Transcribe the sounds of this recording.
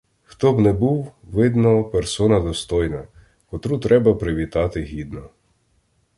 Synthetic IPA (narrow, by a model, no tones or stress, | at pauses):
xt̪ɔbnɛbuwʋɪd̪nɔpeɾsɔnɐd̪ɔst̪ɔjnɐ | kɔt̪ɾut̪ɾɛbɐpɾɪʋʲit̪ɑt̪ɪɦʲid̪nɔ